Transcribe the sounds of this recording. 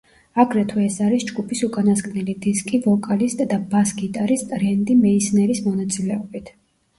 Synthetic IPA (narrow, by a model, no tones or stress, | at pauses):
aɡɾɛt̪ʰuɛsaɾisd͡ʒɡupʰisukʼanaskʼnilid̪iskʼivɔkʼalist̪ʼd̪abasɡit̪ʼaɾist̪ʼɾɛnd̪imɛisnɛɾismɔnat̪sʼilɛɔbit̪ʰ